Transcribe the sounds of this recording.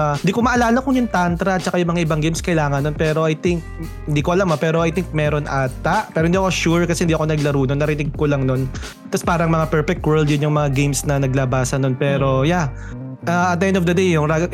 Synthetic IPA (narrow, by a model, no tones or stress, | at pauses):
hɪnd̪iːkomɐʔɐlaːlɐkʊŋjʊŋt̪ant̪ɾɐɐt̪̚t͡ʃɐkajʊŋmɐŋaʔɪbɐŋɡejmskɐjlaːŋɐnːonpɛːɾo̞ʔajt̪ɪŋk̚ | hɪnd̪iːkoʔɐlamɐpɛːɾoʔajt̪iŋk̚mɛːɾo̞nʔaːt̪ɐʔpɛːɾɪnd̪iːɐkoʃuɹkɐsɛ̥hɪnd̪iːʔɐko̞nɐɡlɐɾuːnonɐɾɪnɪɡ̚kolɐŋno̞n | t̪ɐspaːɾɐŋmɐŋapɛɹpɛk̚t̪wɛɹld̪jʊnjʊŋmɐŋaɡejmsnɐnɐɡlɐbaːsɐno̞npɛːɾo̞ja | ʔaʔɐt̪̚ɛnd̪ofd̪ɐd̪ejːʊŋɾaɡ